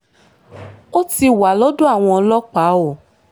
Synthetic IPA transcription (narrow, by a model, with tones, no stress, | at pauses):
o˦ti˧wa˨lɔ˦du˦a˦˨w̃ɔ̃˧lɔ˦k͡pa˨˦o˦˨